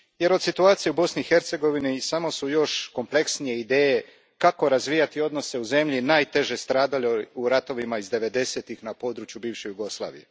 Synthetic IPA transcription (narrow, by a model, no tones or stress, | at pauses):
je̞ɾosit̪uaːt̪sijeubo̞snixe̞ɾt̪se̞ɡo̞ʋinisamo̞sujo̞ʃko̞mpleksnije̞id̪e̞ːje̞ | kako̞ɾazʋiːjat̪io̞d̪no̞se̞uze̞mʎinaːjt̪e̞ʒe̞st̪ɾaːd̪alouɾat̪o̞ʋimaizd̪e̞ʋe̞d̪e̞se̞t̪ixnapo̞ːd̪ɾut͡ʃjubiːʋʃejuɡo̞slˠa̰ːʋḭje